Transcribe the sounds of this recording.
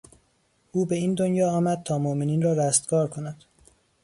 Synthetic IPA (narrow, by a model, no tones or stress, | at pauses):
ʔuːbe̞iːnd̪onjɒːɒːmæd̪̚t̪ʰɒːmoʔmeniːnrɒːɾæst̪kɒːɾkʰonæd̪̥